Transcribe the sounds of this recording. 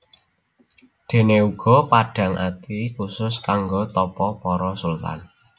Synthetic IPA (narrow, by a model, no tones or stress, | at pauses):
d̪̥e̤neuɡ̥ɔ̤paɖ̥a̤ŋʔa̰t̪ikusʊskaŋɡot̪ɔpɔpɔɾɔsʊlt̪a̰n